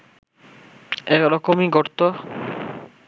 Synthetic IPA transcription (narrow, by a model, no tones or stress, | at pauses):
ɛɾɔkomiɡʱɔɾt̪o